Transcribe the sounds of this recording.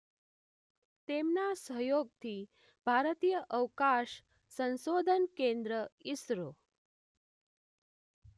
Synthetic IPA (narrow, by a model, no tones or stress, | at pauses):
t̪emnasəɦjoɡ̚t̪ʰiː | bʱaɾt̪iːjəʔəwkaɕ | sə̃nsod̪ʱənkend̪ɾəisɾo